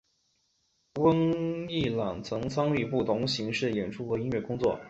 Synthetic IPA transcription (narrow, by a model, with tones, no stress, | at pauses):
wə˥ŋi˥˩lɑ˨˩ŋt͡sʰɤ˧˥ŋt͡sʰɑ˥ŋy˥˧pu˥˩t̪ʰʊ˧˥ŋɕi˧˥ŋʂɻ̩˥˩jɛ˨˩nʈ͡ʂʰu˥xɤ˧˥i˥nɥɛ˥˩kʊ˥ŋt͡swɔ̰˥˩